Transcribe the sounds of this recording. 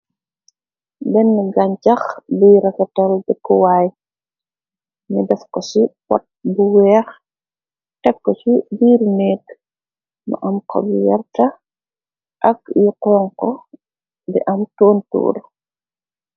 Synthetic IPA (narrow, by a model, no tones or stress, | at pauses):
bɛnːiɡɐɲt͡ʃɐxbiːɾɐkɐtɔldɛkːɔwaːj | ɲudɛfkɔsipɔ̰t̚buwɛːx | tɛkːɔt͡ʃibiːɾnɛːk | mɐ̰ʔɐmkʰɔ̰bijɛrtɐ | ʔɐkjiqɔːŋkɔ | bɛ̰ʔɐmtoːntṵːɾ